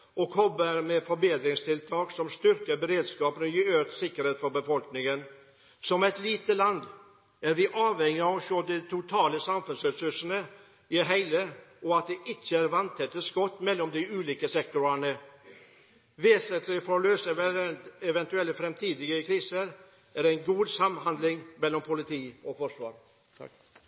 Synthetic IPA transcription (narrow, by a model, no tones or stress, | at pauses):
ɔkʰɔbəɾmɛfɔɾbeːd̪ɾɪŋst̪ʰɪlt̪ʰɑːksɔmst̪ʏɾkəbəɾeːd̪skɑːpənəjɪøːt̪sɪkːəɾheːt̪fɔɾbəfɔlknɪŋən | sɔmɛɪt̪liːt̪əlɑnd̪ | æɾʋɪʔɑːʋhɛŋːɪɑʋɔʃoːd̪ɛt̪ʰʊt̪ʰɑːləsɑmfʉnsɾɛsʉʂənə | ɪɦæɪləɔɑt̪̚d̪ɛʔɪçːəæːɾʋɑnt̪ʰɛt̪ːəskɔt̪ːmɛlːɔmd̪ɪʉːliːkəsɛk̚t̪ʊɾæɳə | ʋeːsənt̪lɪfɔløːsə | ɛʋɛnt̪ʉɛlfɾɛmt̪ʰiːd̪ɪɡəkʰɾiːsəɾ | ʔæːɾæɪnɡuːd̪sɑmhɑnd̪lɪŋmɛlːɔmpʰʊlɪt̪ʰiːɔfɔʂʋɑ̰ːɾ